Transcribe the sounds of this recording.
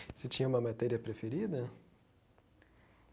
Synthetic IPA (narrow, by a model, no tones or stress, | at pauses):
sɪt͡ʃĩɲɐũmɐmat̪ɛɾiɐpɾefeɾid̪ɐ